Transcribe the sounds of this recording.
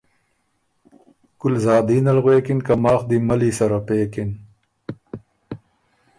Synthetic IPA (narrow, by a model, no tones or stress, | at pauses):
kulzaːd̪iːnɐlɣweːkinkɐmaːxd̪imɐlisɐɾɐpeːkin